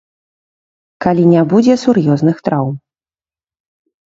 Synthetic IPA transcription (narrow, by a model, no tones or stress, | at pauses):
kalʲinʲabud͡zʲɛsurjɔznɨxt̪ɾawm